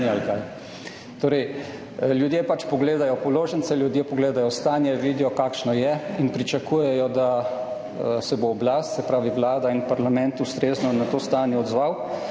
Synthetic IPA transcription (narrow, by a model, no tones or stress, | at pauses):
ialkaj | t̪oːɾɛj | ljud̪jeːpat͡ʃpɔɡleːd̪ajɔpɔloːʒənsɛljud̪jeːpɔɡleːd̪ajɔst̪aːnjɛʋiːd̪ijɔkaːkʃnɔjɛinpɾit͡ʃɐkuːjɛjɔd̪a | sɛboːblast̪sɛpɾaːʋiʋlaːd̪ainpaɾlamɛnt̪ust̪ɾeːznɔnat̪oːst̪aːnjɛɔd̪zʋaw